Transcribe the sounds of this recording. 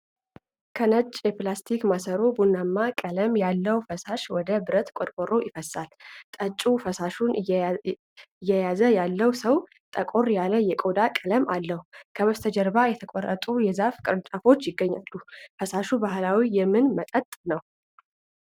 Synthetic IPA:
kʰənət͡ʃʼːjɛplast̪ʰikmasəɾo̞bunːamːakʼələmjalːəwfəsaʃwɔd̪əbɨɾət̪kʼoɾkʷʼoɾo̞jɪfəsalt̪ʼət͡ʃʼːufəsaʃun | jːɛjazəjalːəwsəw | t̪ʼəkʼo̞ɾjaləjɛkʼod̪akʼələmalːəhukʰəβəst̪ʰəd͡ʒɛɾbajɛt̪ʰəkʼɔrːə̰t̪ʼujɛzafkʼɨɾɨt͡ʃʼafo̞t͡ʃːjɪɡːəɲːa̰lːufəsaʃubahlawijɛmːɨnmət̪ʼət̪ʼnəw

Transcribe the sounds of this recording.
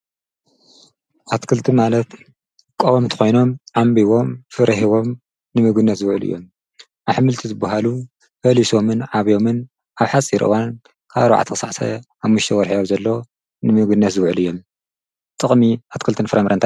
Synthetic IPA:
ʔat̪kʰɨlt̪ʰɨmalɐt̪ | kʼowomt̪ʰɐ̥xo̞jno̞mʕambiβo̞mfɨɾʔɐɦiβo̞m | nɨmɨɡɨnːɐt̪zɨwʕɨlɨ̰jːo̞̰m | ʔaβħɨmɨlt̪ʰizɨbːaɦalu | fɐliso̞mɨnʕaβjo̞mɨn | ʔaβħat͡sʼiɾʔɨ̰wan | kʰaβwa̰ʕt̪ʰikɨsaʕsʰɐ̰ | aβmɨʃt̪ʰɐwɔɾħijomzɐlːo | nɨmɨɡɨnːɐt̪zɨwʕɨlɨjːo̞m | t̪ʼɨχʼmiʔat̪kʰɨlt̪ʰɨnfɨɾɐmɾʔɐnt̪a

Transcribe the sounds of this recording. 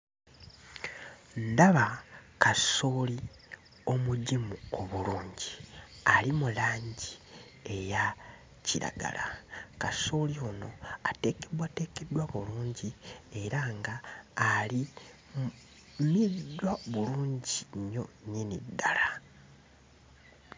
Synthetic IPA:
ndaβakasoːli | o̞muɟimuo̞βuluːɲɟialimulaːɲɟi | e̞ja | ciɾa̰ɡa̰la̰kaso̞ːlio̞no̞ate̞ːkedwate̞ːke̞dːwaβuluːɲɟie̞ɾaŋɡaːli | midːwaβuluːɲɟiɲːo̞ɲinḭdːala

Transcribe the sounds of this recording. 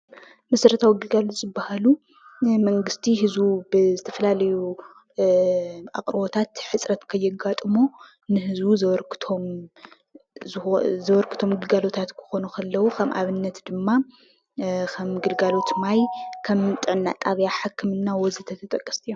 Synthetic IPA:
mɐsɾɨt̪ʰawiɡɨlɡalot̪zɨbːahalu | mɐŋɡɨst̪ʰihɨzubɨzɨt̪ʰɐfɐlalɐju | ʔa̰kʼɾɨbot̪ʰat̪ħɨt͡sʼɾɐt̪kʰɐjːɪɡat̪ʼɨmo | nɨhɨzuzɐɾkʰt̪ʰom | zɐβɐɾkʰɨ̥t̪ʰo̞mɡɨlɡalo̞t̪ʰat̪kʰɨ̥xo̞nukʰɐlːɐwukʰɐmʔaβɨnːɐt̪d̪ɨmːa | kʰɐmɡɨlɡalo̞t̪majkʰɐmt̪ʼɨʕnːa̰t̪ʼaβjaħɨkʰːɨmɨnːawɔzit̪ʰɐt̪ʰɐt̪ʼɐkʼːɐ̥st̪ʰʼijo

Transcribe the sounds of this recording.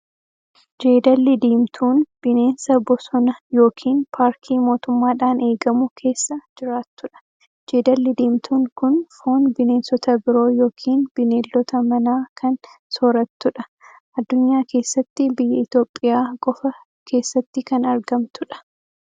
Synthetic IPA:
d͡ʒe̞ːd̪ɐlːɪd̪iːmt̪ʰuːnb̥ɪne̞ːnsɐbɔsɔnɐjo̞ːkʰiːnpʰaːɾkʰiːmo̞ːt̪ʊmːaːᶑaːne̞ːɡɐmʊkʰe̞ːsːɐd͡ʒɪɾaːt̪ːʊᶑɐ̥ | d͡ʒe̞ːd̪ɐlːɪd̪iːmt̪ʰuːŋkʊnfo̞ːnbɪneːnsɔt̪ɐbɪɾo̞ːjo̞ːkʰiːnb̥ɪneːlːɔt̪ɐmɐnaːkʰɐnsɔɾɐt̪ːʊᶑɐ | ʔɐd̪ːʊɲːaːkʰe̞ːsːɐt̪ːɪbɪjːɐɪt̪o̞ːpʼːɪjaːkʼɔfɐ | kʰe̞ːsːɐt̪ːɪkɐnɐɾɡɐmt̪ʊᶑɐ̥

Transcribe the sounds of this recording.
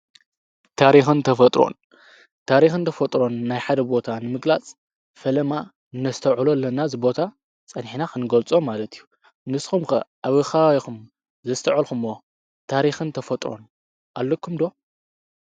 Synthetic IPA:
t̪ʰaɾixɨnt̪ʰɐfɐt̪ʼɾo̞̰n | t̪ʰaɾixɨnt̪ʰɐfɐt̪ʼɾo̞nːajħad̪ɐbo̞t̪ʰanɨmɨɡlat͡sʼ | fɐlɐma | ɨnːɐst̪ʰɐʕulolːɐnazɨbo̞t̪ʰa | t͡sʼɐnħinaxʰɨnɨɡɐlt͡sʼomːalɐt̪ʰiju | nɨsxumxɐ̰ʔaβɨxaixum | zɐst̪ʰɐʕɐlxumo | t̪ʰaɾixɨnt̪ʰɐfɐt̪ʼɾo̞̰n | ʔalːokʰːumd̪o̞

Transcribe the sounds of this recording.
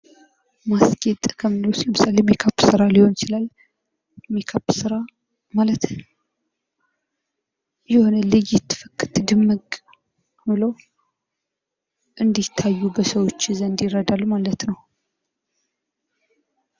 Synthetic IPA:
masɡʼet̪ʼkʰəmɨloslmɨsalemjɛkʰəpːsɨɾaliho̞nt͡ʃɪlal | mikʰəpːsɨɾa | malət̪ | jɛho̞nəlɨjɪt̪ʰːɨ̥fɨkːɨt̪ɨd̪ɨmːɨkʼ | mɨlow | ʔɨnd̪it̪ʰːajːubəsəwo̞t͡ʃːzənd̪jɪrːəd̪alːmalət̪nəw

